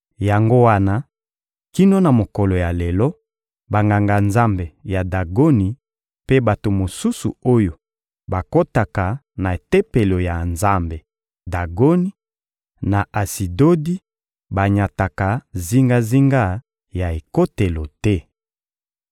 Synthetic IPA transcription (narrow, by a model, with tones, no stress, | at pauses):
ja˨ŋɡo˦wa˦na˦ | ki˦no˦na˨mo˨kɔ˨lo˨ja˨lɛ˨lɔ˦ | ba˨ŋɡa˨ŋɡa˨nza˦mbe˨ja˨da˨ɡo˦ni˨ | pe˦ba˨to˨mo˨su˦sṵ˨o˦jo˨ | ba˨ko˦ta˨ka˨ | na˨e˨te˦pe˨lo˨ja˨nza˦mbe˨ | da˨ɡo˦ni˦ | na˨ʔa˨si˨do˦di˦ | ba˨ɲa˨ta˨ka˨zi˦ŋɡa˦zi˦ŋɡa˦ | ja˨e˨ko˦te˨lo˨tɛ˦